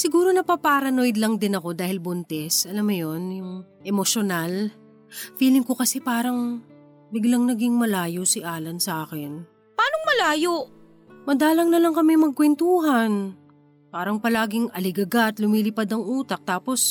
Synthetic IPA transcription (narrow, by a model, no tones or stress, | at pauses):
sɪɡuːɾo̞nɐpɐpaɾɐno̞jd̪lɐŋd̪ɪnɐko̞d̪aːhɪlbʊnt̪ɛsʔɐlamːɐjo̞njʊŋʔɛmoʃonal | fiːlɪŋko̞kɐsɛpaːɾɐŋ | bɪɡlɐŋnɐɡɪŋmɐlaːjosɪʔaːlɐnsɐʔaːkɪn | paːnoŋmɐlaːjoʔ | mɐd̪aːlɐŋnɐlɐŋkɐmɛmɐɡ̚kwɛnt̪uːɦɐn | paːɾɐŋpɐlaːɡɪŋɐlɪɡɐɡat̪lʊmiːlɪpad̪ɐŋʔuːt̪ɐk̚t̪aːpo̞s